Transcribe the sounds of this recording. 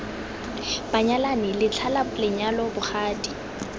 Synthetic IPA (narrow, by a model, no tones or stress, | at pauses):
b̥aɲalanɪlɪt͡ɬʰalalɪɲalɔbʊχʰaːdi̥